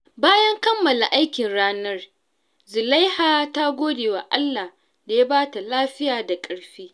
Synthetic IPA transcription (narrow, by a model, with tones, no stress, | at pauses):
baː˦jɐ˦ŋkɐ˦mːɐ˨la˨ʔa˦jkʲɪ˨nɽaː˦nɐ˦r | zʊ˨la˦jhaː˦ta˦ɡʷoː˦deː˨waː˨ʔa˦lːa˨h | da˨ja˦baː˦ta˨laː˦ɸɪ˦jaː˨da˨kʼɐ˨ɽɸiː˦